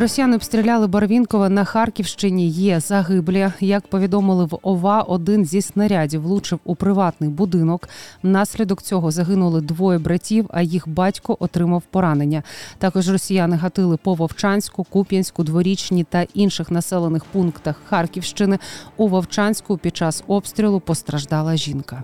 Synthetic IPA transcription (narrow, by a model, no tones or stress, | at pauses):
rɔsʲijanɪɔbst̪ɾʲilʲalˠɪbɐrʋʲinkɔʋɐnɐxɑrkʲiwʃt͡ʃɪnʲijɛzɐɦɪblʲɛjɐkpɔʋʲid̪ɔmɪlˠɪʋɔʋɑʔɔd̪ɪnzʲisnɐɾʲadʲiwlˠut͡ʃɪwupɾɪʋɑt̪nɪjbʊd̪ɪnɔknɑsʲlʲid̪ɔkt͡sʲɔɦɔzɐɦɪnʊlˠɪd̪ʋɔjɛbɾɐtʲiwɐ̰jixbɑtʲkɔʔɔt̪ɾɪmɐwpɔɾɑnenʲːɐt̪ɑkɔʒrɔsʲijanɪɦɐt̪ɪlˠɪpɔʋɐwt͡ʃɑnʲsʲkʊkupʲjɐnʲsʲkʊd̪ʋɔɾʲit͡ʃnʲit̪ɐʔinʃɪxnɐsɛlˠenɪxpunkt̪ɐxxɑrkʲiwʃt͡ʃɪnɪuʋɐwt͡ʃɑnʲsʲkʊpʲid̪̥̚t͡ʃɑsɔpst̪ɾʲilˠʊpɔst̪ɾɐʒd̪ɑlˠɐʒʲinkɐ